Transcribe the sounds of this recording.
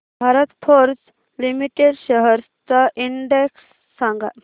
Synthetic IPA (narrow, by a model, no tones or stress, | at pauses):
bʱaɾət̪pʰɔɾt͡s | limiʈeɖɕəɦəɾt͡saʔiɳɖeksː | aŋɡa